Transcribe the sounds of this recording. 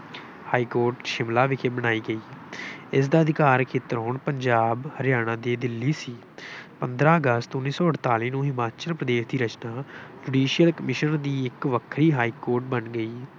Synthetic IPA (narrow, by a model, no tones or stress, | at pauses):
haːiːkoːɾʈʃɪmlaːʋɪkʰeːbəɽ̃aːiːɡəiːɪs̬d̪aːəd̪ɪkaːɾkʰeːt̪əɾɦoːɳpəɲd͡ʒaːbhəɾjaːɽ̃ãːd̪eːd̪ɪlːiːsiː | pənd̪ɾaːəɡəst̪ʊnːiːsɔːəɽt̪aːliːnũːɦɪmaːt͡ʃəlpɾəd̪eːʃd̪iːɾət͡ʃnaːd͡ʒuːɖiːʃɪjəlkəmɪʃənd̪iːɪkʋəkʰɾiːɦaːiːkoːɾʈ̚bənɡəiː